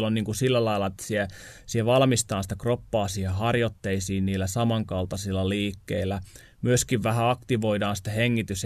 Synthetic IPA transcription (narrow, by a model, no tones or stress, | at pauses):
lonniːŋkusilːælɑilːɑet̪ːæ̥sie | siheʋɑlmist̪ɑːnsi̥t̪ækropːɑːsiehɑrjot̪ːeisiːnniːlːæsɑmɑŋkɑlt̪ɑsilːɑliːkːḛilːˑæ | myøskiʋʋæhæɑkt̪iʋoidɑːnsi̥t̪æheŋːit̪ys